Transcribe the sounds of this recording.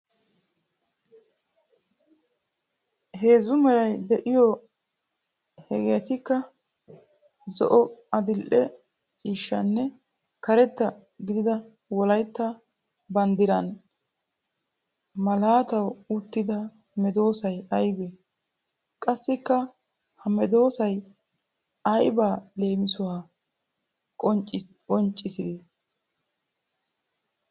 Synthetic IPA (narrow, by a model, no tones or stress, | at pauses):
he̞ːzʊmɛɾɐjd̪ɛʔɪjɔ | hɛ̰ɡeːt̪ɪkːɐ | zɔ̰ʔɔɐd̪ɪlʔɛ | t͡ʃʼiːʃːɐ̰nːɛ | kɐɾɛt̪ːɐ | ɡɪd̪ɪd̪ɐ | wɔlɐjt̪ːɐ | bɐnd̪ɪɾɐn | mɐlaːt̪ɐwʊt̪ːɪd̪ɐ | mɛd̪o̞ːsɐjɐjbe | kʼɐsːɪkːɐ | hɐmɛd̪o̞ːsɐj | ɐjbaːle̞ːmɪsʊwaː | kʼɔt͡ʃʼkʼɔnt͡ʃʼːɪsɪd̪e